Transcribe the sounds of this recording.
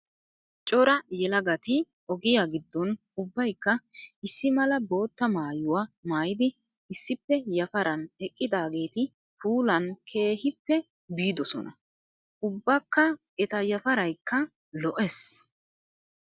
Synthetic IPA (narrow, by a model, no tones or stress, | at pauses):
t͡ʃʼɔɾɐjɛlɐɡɐt̪ɪ | ɔɡɪjaːɡɪd̪ːɔn | ʊbːɐjkːɐɪsːɪmɐlɐbo̞ːt̪ːɐmaːjʊwamaːjɪd̪ɪ | ɪsːɪpːɛjɐfɐɾɐnɛkʼːɪd̪aːɡe̞ːt̪ɪ | fuːlɐnkʰe̞ːhɪpːɛ | biːd̪ɔsɔ̰nɐ̰ | ʔʊbːɐkːɐ | ɛt̪ɐjɐfɐɾɐjkːɐ | lɔʔɛs